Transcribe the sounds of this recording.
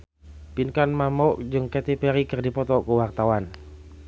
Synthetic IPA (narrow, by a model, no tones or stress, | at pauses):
pinkanmamɔʔd͡ʒɨŋkɛt̪ipɛɾikərdipɔt̪ɔkuwart̪awan